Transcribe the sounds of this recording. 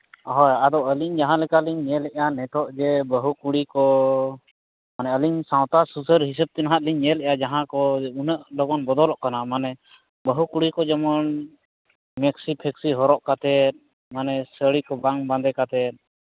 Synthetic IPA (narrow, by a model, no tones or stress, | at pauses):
ɦɔjad̪ɔʔəliɲd͡ʒaɦãlɛkaliɲːɛlɛʔjanɛt̪ɔʔd͡ʒɛbəɦukuɽikɔ | manɛəliɲsãwt̪asusəɾɦis̬əb̚t̪ɛnaɦat̪̚liɲːɛlɛʔjad͡ʒaɦãkɔunəʔlɔɡɔnbɔd̪ɔlɔʔkanamanɛ | bəɦukuɽikɔd͡ʒɛmɔn | mɛksipʰɛksiɦɔɾɔʔkat̪ɛt̪̚ˀ | manɛsəɽikɔbaŋbãnd̪ɛkat̪ɛt̪̚